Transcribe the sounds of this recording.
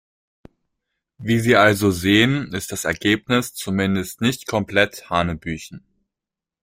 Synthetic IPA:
viːziːʔalzozeːənɪst̚d̥asɛɐɡeːpnɪst͡sumɪndəstnɪçtkʰɔmpl̥ɛthaːnəbyːçn̩

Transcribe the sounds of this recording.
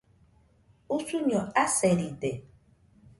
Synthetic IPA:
usuɲɔaseɾide

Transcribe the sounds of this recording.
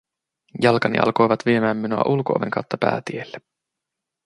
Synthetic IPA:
jɑlkɑnḭʔɑ̰lko̞jʋɑt̪ʋie̞mæːmːinuɑ̰ʔulkoʔo̰ʋḛŋkɑwt̪ːɑpæ̰ːt̪ielːe

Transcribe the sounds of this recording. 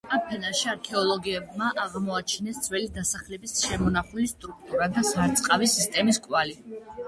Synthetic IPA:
ampʰɛnaʃiaɾkʰɛɔlˠɔɡiɛbmaʔaʁmɔat͡ʃʰnɛsd̪z̥ʰwɛlid̪asaχlɛbisʃɛmɔnaχulist̪ʼɾuk̚ʰt̪ʼuɾad̪asaɾt̪sʼqʼavisist̪ʼɛmiskʼwali

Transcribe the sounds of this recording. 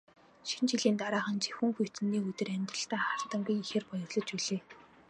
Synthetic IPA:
ʃint͡ɕiɮiːnt̪aɾaːχə̆nt͡ɕʰi̥xuŋxujʰt̪ɘ̆nːiːɵt̪ɘ̆ræmʲt̪rə̆ɬt̪æːχar̥t̪ə̆ŋɡujixeːrpɔjɞ̆rɮɞ̆t͡ɕuɮeː

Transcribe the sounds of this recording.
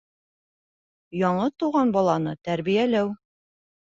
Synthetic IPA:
jɒɴɤt̪uʁɑnbɒlˠɑnɤt̪æɾβijælæw

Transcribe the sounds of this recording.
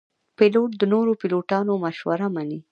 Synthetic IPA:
piloʈ̚d̪ənoɾopiloʈɑnomaʃwaɾamani

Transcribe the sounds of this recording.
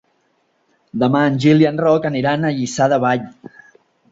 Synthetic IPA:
d̪əmaənʲʒilianrɔkəniɾanəʎisaðəβaʎ

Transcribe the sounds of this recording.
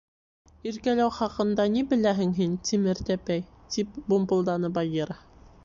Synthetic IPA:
iɾkælæwχɑqɤ̆nd̪ɑnibɘ̆læɦɘŋɦint̪imɘɾt̪æpæj | t̪ip̚bumbɤ̆lˠd̪ɑnɤbɑjeɾɑ

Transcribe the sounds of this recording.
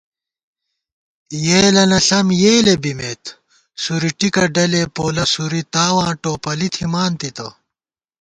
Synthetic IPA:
jeːlɐnɐɬɐmjeːlebimet̪ | suɾiʈikɐɖɐlepoːlɐsuɾit̪aːwãːʈoːpɐlit̪ʰimaːnt̪it̪ɐ̰

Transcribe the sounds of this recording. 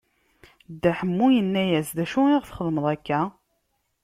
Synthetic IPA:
d̪æħəmːujənːæjæsðæʃuɪʁθχəðˤməðˤækːæ

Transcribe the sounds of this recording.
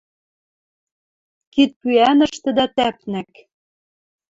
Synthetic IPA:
kit̪̚pyænə̆ʃt̪ɘ̆d̪æt̪æpnæk

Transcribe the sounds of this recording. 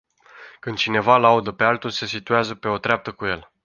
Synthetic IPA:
kɨnd̪̚t͡ʃine̞valaud̪əpe̞alt̪ulse̞sit̪ueazəpe̞o̞t̪ɾeap̚t̪əkuje̞̰l

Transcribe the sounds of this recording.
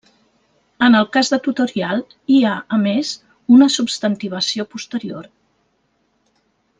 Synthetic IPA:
ənəlˠkazðət̪ut̪uɾialˠ | iaəmez | unəsubst̪ənt̪iβ̞əsiopust̪əɾioɾ

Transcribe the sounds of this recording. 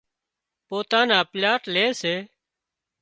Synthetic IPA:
poːt̪ãːnaːpljaːʈleːseː

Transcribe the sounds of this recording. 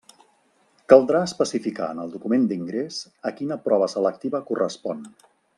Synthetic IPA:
kəlˠd̪ɾaəspəsifika̰ənəlˠd̪ukumend̪iŋɡɾes | əkinəpɾɔβ̞əsələk̚t̪iβəkurəspɔn

